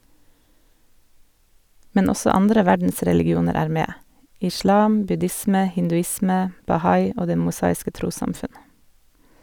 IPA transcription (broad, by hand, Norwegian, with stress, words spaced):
ˈmɛn ˈɔsɔ ˈɑndɾə ˈʋæɖn̩sɾɛlɪɡɪˌuːnəɾ ˈæːɾ ˈmeː ɪˈʃɭɑːm bʉˈdɪsmə hɪndʉˈɪsmɛ bɑˈhɑɪ ˈoː ˈdeː mʊˈsɑːɪskə ˈtɾuːsɑmˌfʉn